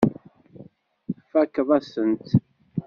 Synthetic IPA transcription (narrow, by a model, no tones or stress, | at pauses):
fækðˤæsənt̪